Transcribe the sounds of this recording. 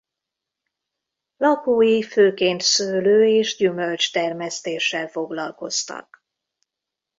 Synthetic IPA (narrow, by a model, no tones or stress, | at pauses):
lɒkoːjiføːkeːnt̪søːløːeːʒɟymø̞lt͡ʃt̪ɛrmɛst̪eːʃːɛlfo̞ɡlɒlko̞st̪ɒ̰k